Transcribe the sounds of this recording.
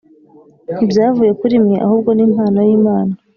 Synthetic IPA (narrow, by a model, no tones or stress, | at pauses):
ibjaːvuje̞kuɾimɲeʔa̰huːbɡo̞niːmhaːnajiːmaːna